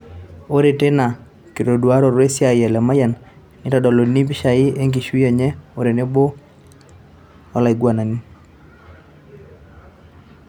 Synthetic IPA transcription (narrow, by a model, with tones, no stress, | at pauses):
o˦ɾe˨te˦na˨ | ki˨ɾo˨dwa˦ɾɔ˨ɾwe˦sja˨jɛ˨lɛ˨ma˦ja˨n | ni˦tɔ˨dɔ˨lo˨ni˦p̬i˦ʃa˨ɪ˦e˦ŋɡi˨ʃwi˦a˨ɲɛ˦o˨ɾe˨ne˦bo˦ | ɔ˦la˨ɪ˨ɡwa˨na˨ni˦